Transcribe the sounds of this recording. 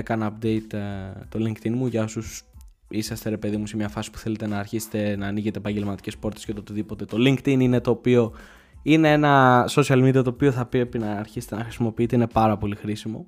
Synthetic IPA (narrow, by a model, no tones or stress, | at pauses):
ekɐnɐpd̪e̞jt̪t̪o̞liŋkt̪inmuʝɐosus | isɐst̪e̞ɾepe̞ðimusemɲɐfɐsi̥pu̥θe̞le̞t̪e̞nɐːɾçise̥t̪e̞nɐːniʝet̪epɐɲɟe̞lmɐt̪i̥ce̞spo̞ɾt̪esceot̪ot̪iðipo̞t̪e̞t̪o̞liŋkt̪inine̞t̪o̞ːpio̞ | inee̞nɐso̞siɐlmid̪iɐt̪oːpio̞θɐpiepinɐːɾçiset̪enɐxɾisimo̞piit̪e̞ine̞pɐɾɐpo̞lixɾisimo̞